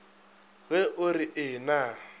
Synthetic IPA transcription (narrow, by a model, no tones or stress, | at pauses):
ɣɛʔʊriʔɪna